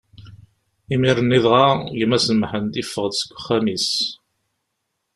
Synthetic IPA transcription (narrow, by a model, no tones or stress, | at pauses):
imiɾˤənːiðʁɑʝmæsəmħənt̪ifːəʁd̪sə̥kʷːχːæmis